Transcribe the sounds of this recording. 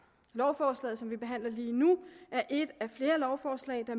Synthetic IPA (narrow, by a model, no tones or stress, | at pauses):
lɒʊfɒːslɛ̰ːðˠsɒ̽mʋib̥e̝ɦæn̰lɐliːnuʔæɐʔe̝d̥æfle̝ːɐlɒʊfɒːslɛ̰ɪd̥ɑ